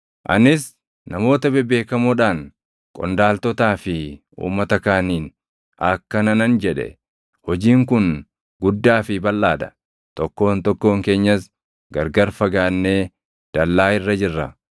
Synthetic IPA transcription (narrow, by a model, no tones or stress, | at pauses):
ʔɐ̰nɪs | nɐmo̞ːt̪ɐbɛbe̞ːkɐmuːᶑaːŋ | kʼɔ̰nd̪aːlt̪ɔt̪aːfɪ | ṵːmːɐt̪ɐkaːniːn | ʔɐkːɐnɐnɐnd͡ʒɛᶑɛ̰ | hɔd͡ʒiːŋkʊn | ɡʊd̪ːaːfɪbɐlːaːd̪ɐ̥ | t̪ɔkːo̞ːnt̪ɔkːo̞ːŋke̞ːɲːɐs | ɡɐɾɡɐɾfɐɡaːnːe̞ː | d̪̥ɐlːaːɪrːɐd͡ʒɪrːɐ